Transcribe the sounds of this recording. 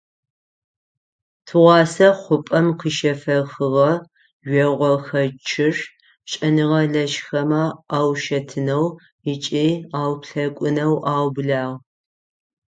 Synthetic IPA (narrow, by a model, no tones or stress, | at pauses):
tʰɨʁʷɑːsɐχʷʊpʼɐmqiʃɐfɐxɨʁɐ | ɥʷɛʁʷɔxɐt͡ʃʰɪʂ | ɕʼɐnɨʁɐɮɐʃxɐmɐaːwʃɐtʰɨnɐw | ɪt͡ʃʼeːaːwpɬɐkʷʼʊnɐwʔaːwbɮaːʁ